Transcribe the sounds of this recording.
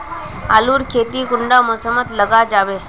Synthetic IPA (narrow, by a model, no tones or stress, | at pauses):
aːluːɾkʰeːt̪ikʊɳɖamoːsəmːət̪ləɡad͡ʒaːʋeː